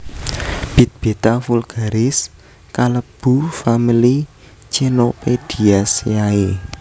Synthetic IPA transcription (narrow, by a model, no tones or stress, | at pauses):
b̥i̤t̪̚b̥et̪afulɡ̥a̤ɾɪs | kaləb̥ṳfamili | t͡ʃenoped̪̥i̤asjae